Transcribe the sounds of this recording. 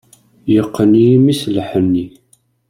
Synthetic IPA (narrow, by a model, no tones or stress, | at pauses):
jəqːəniimislħənːi